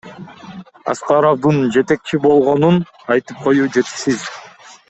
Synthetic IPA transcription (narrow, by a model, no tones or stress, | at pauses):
ɑ̰sqɑɾovd̪ɯnd͡ʒe̞t̪e̞k̚t͡ʃibo̞lˠʁo̞nun | ɑjt̪ɯp̚qʰo̞juːd͡ʒe̞t̪i̥ʃsiz